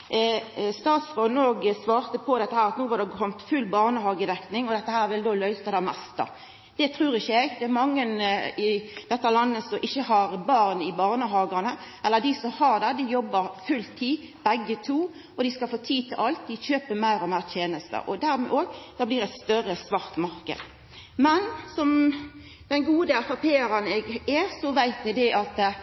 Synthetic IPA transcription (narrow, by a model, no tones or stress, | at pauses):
st̪ɑːt̪sfʁɔnoːɡəsʋɑːɾt̪əpʰɔd̪ɛt̪ːəhæːɾɑt̪nuːʋɑd̪ɛkʰɔmt̪fʉlːbɑʁnəhɑːɡəd̪ɛknɪŋɔd̪ɛt̪ːəhæːɾʋɪld̪oːlœʏt̪əd̪ɑmɛst̪ɑ̰ | d̪̥ɛt̪ʰɾʉːɾɪçːəɛɡd̪ɛæɾmɑŋːənɪd̪ɛt̪ːəlɑnːəsɔmʔɪçːəhɑɾbɑʁnɪbɑːʁnəɦɑːɡənəʔɛlːəd̪ɪsɔmhɑʁd̪ɛd̪ɪjɔbːəɾfʉlt̪ʰiː | b̥ɛɡːət̪ʰuː | ɔd̪ɪskɑlfoːt̪ʰiːt̪ʰɪlʔɑlt̪̚d̪ɪçøːpəmæɪɾɔmæɪɾt̪ʰjeːnəst̪ə̰ʔɔd̪æɾmɛ̰ʔoːɡd̪̥ɑːbliːɾʁɛt̪st̪œɾəsʋɑʁt̪mɑɾkə̰d̪ | mɛnsɔm | d̪̥ɛnɡuːd̪əɛfɑpʰeːəɾənɛɡɛsɔʋæɪt̪ɛɡd̪ɛʔɑt̪